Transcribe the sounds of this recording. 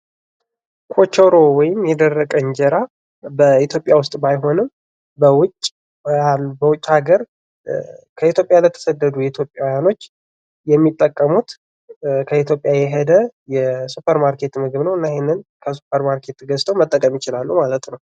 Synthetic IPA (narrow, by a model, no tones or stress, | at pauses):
kʰo̞t͡ʃoɾo̞wɔjɪmjɛd̪ərːəkʼəɨɲd͡ʒɛɾa | bəit̪jo̞pʼjawʊst̪ʼbajɦo̞nɨm | bəwʊt͡ʃʼː | abəwʊt͡ʃʼːhaɡəɾ | kʰəit̪jo̞pʼjalət̪ʰə̥səd̪ːəd̪ujɛit̪ʰjo̞pʼjawɔjano̞t͡ʃː | jɛmːit̪ʼːəkʼːəmut̪ | kʰəit̪jo̞pʼjajɛɦɛd̪əjɛsupʰəɾmaɾkʰe̞t̪mɨɡɨβnəwɨnːaehenːɨnkʰəsu̥pʰəɾmaɾkʰe̞t̪ɡəst̪ʰəwmət̪ʼːəkʼəmjɪt͡ʃɪlalːumalət̪nəw